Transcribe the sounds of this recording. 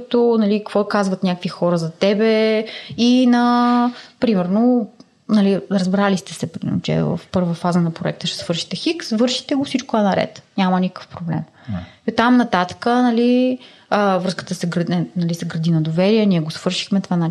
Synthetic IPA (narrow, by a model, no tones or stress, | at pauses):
t̪onɐlikkvɔkazvət̪nʲakəkvixɔɾəzɐt̪ɛbɛ | inɐ | pɾimɛɾno | nɐliɾəzbɾalist̪ɛsɛpɾin̰t͡ʃɛ̰və̰fpɤɾvəfazənɐpɾoɛ̰k̚t̪əʃɛ̥svɤɾʃi̥t̪ɛxiksvɤɾʃi̥t̪ɛɡofsit͡ʃkʊɛnɐɾɛ̰t̪nʲamənʲikə̥kə̥fpɾoblɛ̰m | ot̪amnɐt̪at̪ə̥kənɐli | əvɾɤskə̥t̪əsɛɡɾəɛnɐlisɛɡɾɐd̪inɐd̪ovɛɾiɛnʲiɛɡosv̥ɤɾʃi̥xmɛt̪vana